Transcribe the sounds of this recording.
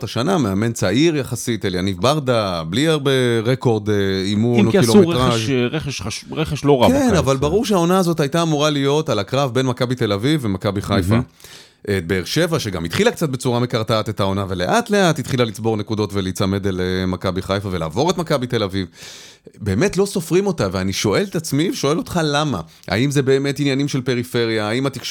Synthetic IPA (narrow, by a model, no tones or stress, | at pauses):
taʃanameame̞nt͡saʔiʁjaχasiteljanivbaʁdabliaʁbeʁeko̞ʁd̪imunoiloeeʁaʃʁeχeʃaʁeχeʃloʁakennavalbaʁuʁʃeao̞naːzo̞tajtaːmuʁalijo̞talakʁavbe̞nmakabit̪elavivːemakabiχajfa | ʔebeːʁʃe̞vaʃeɡa̰mitχilak̚t͡sat̚be̞t͡suʁame̞kaʁtaːte̞tao̞nave̞le̞ʔat̪le̞at̪ːitχilalit͡sbo̞ʁne̞kud̪o̞tvelit͡same̞d̪elemakabiχajfave̞la̰ːvo̞ʁetmakabit̪e̞laviv | be̞ːme̞tlo̞so̞fʁimo̞taveaniʃo̞ʔe̞letat͡smiveʃo̞e̞lo̞tχalama̰ | ʔa̰imze̞be̞ːme̞tinjanimʃe̞lpe̞ʁife̞ʁjaːimat̪iχ